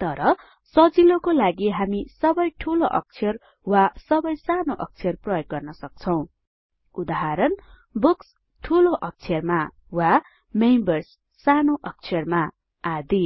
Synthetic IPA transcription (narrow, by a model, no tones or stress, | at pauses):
t̪ʌɾʌ | sʌd͡zilokolaɡiɦamisʌbʌjʈʰuloʔʌ̰k̚t͡sʰjʌr | wasʌbʌjsanoʔʌk̚t͡sʰijʌrprʌjoɡ̚ɡʌrnʌsʌk̚t͡sʰʌw̃ | ud̪aɦaɾʌn | buks | ʈʰuloʔʌk̚t͡sʰijʌrma | wa | mejmbʌrsː | anoʔʌk̚t͡sʰjʌrma | ad̪i